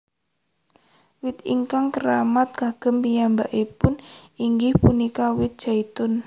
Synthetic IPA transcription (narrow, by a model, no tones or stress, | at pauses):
wɪt̪iŋkaŋkəɾamat̪̚kaɡ̥ə̤mpijambaʔipʊniŋɡɪhpunikawɪt̪̚d̥ʒ̥ait̪ʊn